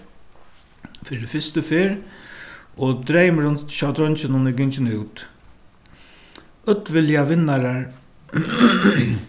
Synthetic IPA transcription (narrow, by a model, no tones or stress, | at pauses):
fɪɾɪfɪst̪əfɪːɾ | ɔd̪ɾejməɾʊnt̪ʃawd̪ɾɔnt͡ʃɪnʊnɪɡɪnt͡ʃɪnuwt̪ | ʊt̪ʋɪljaʋɪnːaɾaɹ